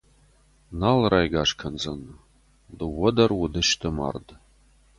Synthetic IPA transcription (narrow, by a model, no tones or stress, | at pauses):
nalrajɡaʂkʰɐnzɐn | dɨwɐdɐrwʊdɨʃtʰɨma̰rd